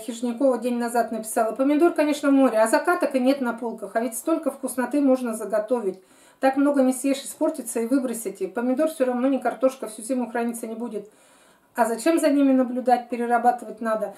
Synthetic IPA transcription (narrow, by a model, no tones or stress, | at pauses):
xʲɪʐnʲɪko̞vədʲenʲnɐzat̪nəpʲɪ̥salˠəpəmʲɪd̪o̞rkɐnʲe̞ʂnəvmo̞ɾʲɪɐzɐkat̪əkɨnʲe̞t̪nɐpolˠkəxɐvʲɪtʲst̪o̞lʲkəfkʊsnɐt̪ɨmo̞ʐnəzəɡɐt̪o̞vʲɪtʲ | t̪akmno̞ɡənʲɪsʲjʲeʂɨspo̞rtʲɪt̪səivɨbɾəsʲɪtʲɪpəmʲɪd̪o̞rfsʲoɾɐvno̞nʲɪkɐrt̪o̞ʂkəfsʲuzʲimʲʊxɾɐnʲit̪sənʲɪbudʲɪt̪ | ɐzɐt͡ɕe̞mzɐnʲimʲɪnəblʲʊd̪at̚ʲpʲɪɾʲɪrɐbat̪ɨvətʲnad̪ə